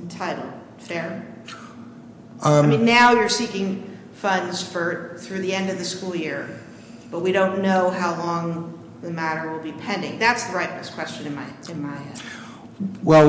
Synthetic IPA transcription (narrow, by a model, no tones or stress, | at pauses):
n̩tʰaɪɾl̩ˠ | fɛɹ | ɪmĩnːaʊjə˞sikɪ̃ŋ | fʌ̃nz̥fə˞θɹʉðiɛ̃ndʌvðɨskulˠjɪɹ | b̥ʌt̚wiɾõʊ̃nːoʊɦaʊlɔ̃ŋ | ðɨmæɾə˞wɪlˠbipʰɛ̃ndɪ̰̃ŋðætsðəɹaɪt̚bɛskʰw̥ɛst͡ʃɨ̃nɨ̃nmaɪɨ̃nmaɪɛ̃ | wɛ